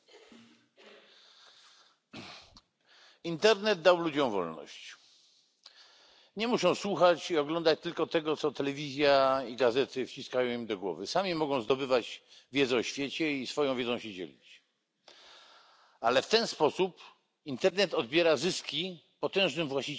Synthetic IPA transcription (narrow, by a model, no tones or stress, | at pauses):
int̪ɛɾnɛd̪̚d̪awlud͡ʑɔ̃w̃vɔ̰lnɔ̰ɕt͡ɕ | ɲɛmuʂɔ̃w̃swuxat͡ɕiɔɡlɔnd̪at͡ɕt̪ɘlkɔt̪ɛɡɔt̪sɔt̪ɛlɛvʲizʲjaiɡazɛt̪ɘft͡ɕiskajɔ̃w̃imd̪ɔɡwɔ̰vɘsamʲimɔɡɔ̃w̃zd̪ɔbɘvad͡ʑvʲjɛd̪zɛɔɕfʲjɛt͡ɕɛisfɔjɔ̃w̃vʲɛd̪zɔ̃w̃ɕɛd͡ʑɛ̰lʲḭt͡ɕ | alɛft̪ɛnspɔsup | int̪ɛɾnɛt̪ɔd̪̚bʲjɛɾazɘskʲi | pɔt̪ɛ̃ʐnɘmvwaɕt͡ɕi